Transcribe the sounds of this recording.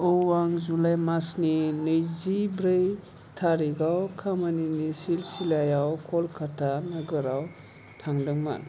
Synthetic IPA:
ɯwaŋzulajmasninɯjzibɾɯj | tʰaɾiɡawkʰamaninisilsilajawkʰɔlkʰatʰanaɡɯɾaw | tʰaŋdɯŋma̰n

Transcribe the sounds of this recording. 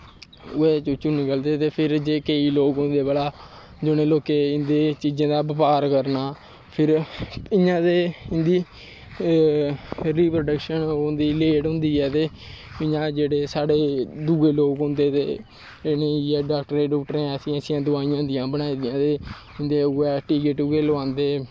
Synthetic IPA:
ʊeːt͡ʃut͡ʃuniːkəld̪eːt̪eːpʰɪɾd͡ʒeːkəiːloːkɦʊ̃nd̪eːbəlaː | d͡ʒʊnẽːloːkeːɪnd̪eːt͡ʃiːd͡ʒãːd̪aːbəpaːɾkəɾnaː | pʰɪɾɪ̃ɲãːd̪eːɪ̃nd̪iː | ɾiːpɾoɖəkʃənɦʊ̃nd̪iːleːɖɦʊ̃nd̪iːɛːt̪eː | ɪɲãːd͡ʒeːɽeːsaːɽeːd̪uɡeːloːkʊ̃nd̪eːt̪ḛː | ɪnẽːɛːɖaːk̚ʈəɾẽːɖɔːkʈəɾẽːəsĩːəsĩjãːd̪ʊaːiːjãːd̪ɪjãːbəɽ̃aːid̪ɪjãːd̪eː | ɪ̃nd̪eːʊɛːʈiːkɪʈːɡeːlʊãːnd̪eː

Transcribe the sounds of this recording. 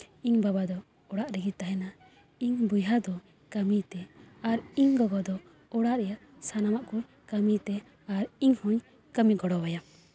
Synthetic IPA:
iɲbabad̪ɔ | ɔɽaʔɾɛɡit̪aɦɛna | iɲbujɦad̪ɔ | kəmit̪ɛaɾiɲɡɔɡɔd̪ɔ | ɔɽaʔɾɛjaʔ | sanamaʔkuɲ | kəmit̪ɛ | aɾiɲhuɲ | kəmiɡɔɽɔbaja

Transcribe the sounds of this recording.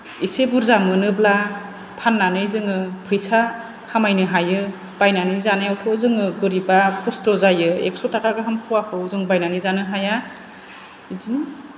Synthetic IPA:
isebuɾzamɯnɯbla | pʰanːanɯjzɯŋɯpʰɯjsa | kʰamajnɯɦajɯ | b̥ajnanizanajawtʰɔzɯŋɯɡɯɾibapʰɔstɔzajɯḛk̚sɔtʰakʰaɡɯɦampʰuwakʰɯwzɯŋbajnanizanɯɦaja | idini

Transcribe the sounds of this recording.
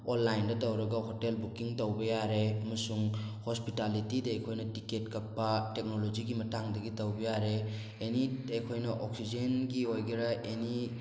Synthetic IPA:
onːajndɐtɐwɾɐɡɐɦotelbukiŋtɐwbɐjaɾeɐmɐsuŋhospitalitidɐajkʰojnɐtiketkɐk̚pɐtek̚nolod͡ʒiɡimɐtaŋdɐɡitɐwbɐjaɾeː | niejkʰojnɐʔɔk̚sid͡ʒenɡiojɡiɾɐʔeni

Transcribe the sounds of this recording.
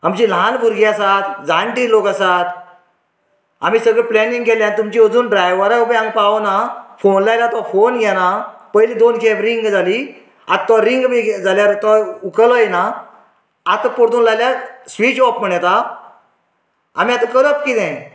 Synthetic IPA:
amt͡ɕilanbʱuɾɡiasat̪d͡zʱãɳʈilokasat̪ | amiːsəɡɭeplɛnĩŋɡkɛljãnt̪̬umt͡ɕiəd͡zuːnɖɾajʋəɾaubiãŋɡ̚paʋnafonlajlat̪ɔfonɡɛnapəjlid̪onkʰebɾiŋɡd͡zʱali | a̰t̪t̪ːɔɾiŋɡbiɡd͡zaljaɾt̪ɔukəlɔjna | at̪apɔɽt̪uːnlajljasʋit͡ɕɔpm̤əɳɛt̪a | am̤iat̪ãkəɾəpkit̪ɛ̃

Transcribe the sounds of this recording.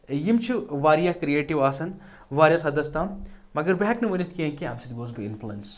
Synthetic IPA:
jimt͡ʃʰiʋaːɾijakɾieːʈiʋaːsɐn | ʋaːɾjasɐd̪ɐst̪aːmmɐɡɐɾbeɦɐknɨʋɐnit̪ʰkiẽkia̰ːmt͡ʃʰit̪ɡoːzbiḭnplɐ̰ns

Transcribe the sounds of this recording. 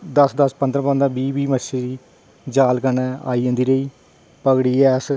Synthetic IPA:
d̪əsd̪əspə̃nd̪ɾpə̃ːnd̪ãːbiːbiːməʃeɾiː | d͡ʒaːlkənɛa̰ːiːə̃nd̪iːɾəiː | pəɡɽiːɛːs

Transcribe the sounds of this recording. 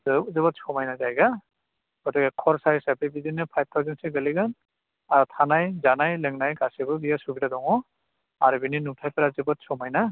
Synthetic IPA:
zɯzɯbɔt̚sɔmajnazajɡa | ɡ̥ɔtikɛkʰɔɹsajisapebizinɯpʰajp̚tʰɔzinsɯɡɯliɡan | aɹɔtʰanajzanajlɛŋnajɡasibɯbijasubidadɔŋɔ | aɹubininutʰajpɛɾazɯbɔt̚sɔmajna

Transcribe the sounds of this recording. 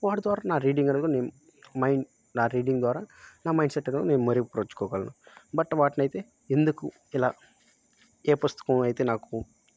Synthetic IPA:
ʋaːʈd̪ʋaːɾaːnaːɾiːɖiŋɡɐɽɐd̪ukoneːnu | mɐjɳ | naːɾiːɖiŋɡd̪ʋaːɾaːnaːmɐjɳɖseʈːɐɽɐd̪koneːnumɐɾiɡipɾɐʋɐt͡ʃːu̥kɔːɡɐlɐnubɐʈʋaːʈnɐjit̪e̞ː | end̪uku | ilaː | eːpɐst̪u̥kuɐjt̪eːnaːku

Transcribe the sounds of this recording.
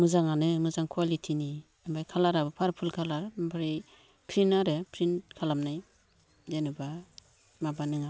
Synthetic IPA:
mɯzaŋanɯmɯzaŋkʰuwalitʰini | ambajkʰalaɾabɯpʰaɾpʰulkʰalaɾbʰaɾi | pʰɾinaɾɯpʰɾinkʰalamnaj | denɯba | mabanɯŋa

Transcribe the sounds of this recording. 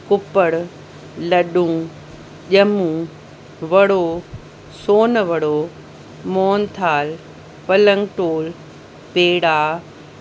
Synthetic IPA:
kʊpəɽ | lɐɗũ | ʄɐmũ | ʋɐɽo | soːnʋɐɽo | moːnt̪ʰaːl | pɐlə̃ŋɡʈoːl | peːɽaː

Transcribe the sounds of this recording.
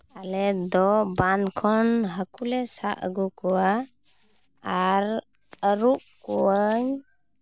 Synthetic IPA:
alɛd̪ɔbankʰɔnɦəkulɛsa̰ʔə̰ɡukuwa | ɾ | əɾuʔkuwəɲ

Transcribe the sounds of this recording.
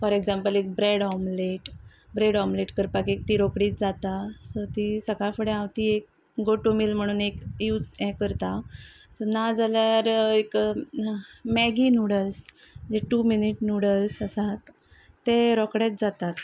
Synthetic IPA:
fɔɾeɡzãmpəlek̚bɾeɽɔmleʈ | bɾeɽɔmleʈkəɾpakek̚t̪iːɾokɽiːt̪d͡zat̪asət̪isəkafəɽeãʋt̪iːek̚ | ɡoʈomilm̤əɽ̃uːnekjud͡zɛ̃kəɾt̪a | sənad͡zaljaɾek | mɛɡinuɽəls | d͡ʑeʈuminiʈnuɽəlsəsat̪ː | eɾɔkɽet͡s̚d͡zat̪at̪

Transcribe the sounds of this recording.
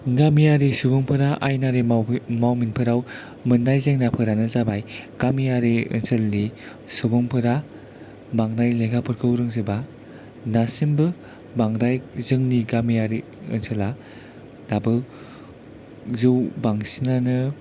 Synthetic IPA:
ɡamijaɾisubɯŋpʰɯɾaʔajnaɾemawminpʰɯɾaw | mɯnːajzeŋnapʰɯɾanɯzabajɡ̥amijaɾiɯ̰nsʰɯlːi | subɯŋpʰɯɾa | baŋɾajleɡapʰɯɾkʰɯwɾɯŋzɯba | nasimbɯ | baŋɾajzɯŋniɡamijaɾi | ɯ̰nsʰɯla | dabɯ | zɯwbaŋsinanɯ

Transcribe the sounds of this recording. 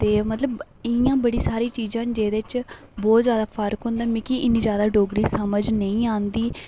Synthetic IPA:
t̪eːmət̪ləb | ɪjãːbəɽiːsaːɾiːt͡ʃiːzãːnd͡ʒeːd̪et͡ʃ | bɔːt̪zjaːd̪aːpʰəɾkɦʊ̃ːnd̪aːmĩkiʔɪnːiːd͡ʒjaːd̪aːɖoːɡɾiːsəməd͡ʒnəĩːãːnd̪iː

